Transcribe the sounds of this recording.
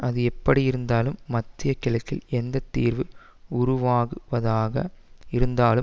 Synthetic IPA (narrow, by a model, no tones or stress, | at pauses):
ʔɐðɯɛpːɐɽijɪɾɯnd̪aːlɯmːɐt̪ːɪjɐkːɪlɐt̪ːɪlɛnd̪ɐt̪ːḭːɾʋɯ | ʊɾʊʋaːɣɯʋɐðaːɣɐ̰ɪɾɯnd̪aːlɯ